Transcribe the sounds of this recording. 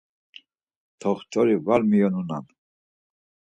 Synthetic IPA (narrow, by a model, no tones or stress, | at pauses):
t̪ʰɔχt͡ʃʼɔɾivalmijɔnunan